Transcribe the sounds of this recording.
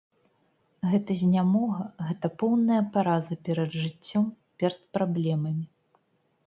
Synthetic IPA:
ɣɛt̪ɐzʲnʲamɔɣɐɣɛt̪ɐpɔwnɐjɐpaɾazɨpʲɛɾɐd̪ʐɨt͡sʲːɔmpʲɛɾɐt̪̚pɾablʲɛmɐmʲi

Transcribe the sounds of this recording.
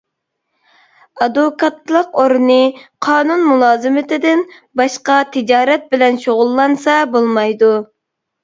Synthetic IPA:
ɑd̪okʰɑt̪lˠəqoɾnɨqʰɑːnunmulˠɑːzɨmɪt̪ɪd̪ɪn | bɑʃqɑt̪ʰɪd͡ʒɑːɾɛt̪̚bɪlɛnʃoʁʊlˠːɑnsɑbolˠmɑjd̪u

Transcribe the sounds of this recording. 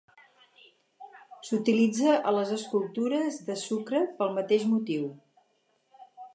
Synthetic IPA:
sut̪ilid͡zəʔələzəskulˠt̪uɾəzðəsukɾəpəlˠmət̪eʒmut̪iw

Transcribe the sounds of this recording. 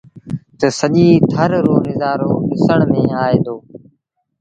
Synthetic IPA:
t̪əsəʄiːt̪ʰəɾɾoːnɪzaːɾoːɗɪsəɳ̃mẽːaːeːd̪oː

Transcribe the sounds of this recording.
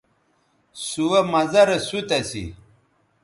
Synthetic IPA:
suwɐmɐzɐɾɐsut̪ɐsḭ

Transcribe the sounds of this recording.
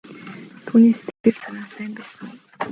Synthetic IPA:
t̪ʰuːniːst̪ʰekt̪ɘ̆ɮsanaːsæːmpæːsə̆n

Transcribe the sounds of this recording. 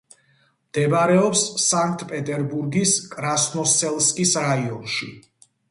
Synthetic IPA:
md̪̥ɛbaɾɛɔpsːaŋk̚ʰt̪ʼpʼɛt̪ʼɛɾbuɾɡiskʼɾasnɔsɛlˠskʼisɾaiɔnʃḭ

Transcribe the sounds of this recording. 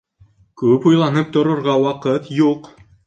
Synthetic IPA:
kʉpujlˠɑnɤp̚t̪ŏɾŏɾʁɑwɑqɤt̪juq

